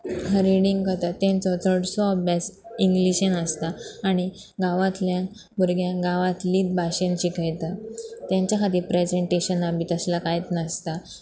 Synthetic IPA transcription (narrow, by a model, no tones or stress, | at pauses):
ɦəɾiɽiŋɡkəɾt̪at̪ːɛ̃nt͡sɔt̪ʰəɽsɔbjasiŋɡliɕenəst̪aːɽ̃i | ɡaʋãt̪ljãn | buɾɡʱjãɡaʋãt̪liːt̚bʱaɕẽɲt͡ɕikəjt̪at̪jãɲt͡ɕjakʰat̪iːɾpɾed͡ʑeɳʈeɕənabit̪əslakajet̪nəst̪a